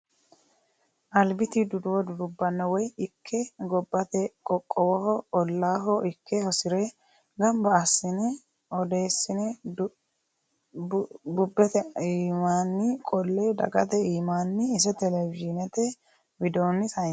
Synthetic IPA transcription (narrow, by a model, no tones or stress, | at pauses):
ʔɐlbɪt̪ɪd̪ʊd̪ʊwɔd̪ʊd̪ʊbːɐnːɐwɔjɪkʰːɛɡɔbːɐt̪ɛkʼɔkʼːɔwɔhɔɔlːaːɦɔʔɪkʰːɛhɔsɪɾɛ | ɡɐmbɐːsːɪnɛ | ɔd̪e̞ːsːɪnɛ | bʊbːɛt̪ɛiːmaːnːɪkʼɔlːed̪ɐ̰ɡɐt̪ɛiːmaːnːɪːs̬ɛt̪ɛlɛvɪʒɪnɛt̪ɛ | bɪd̪o̞ːnːɪsɐ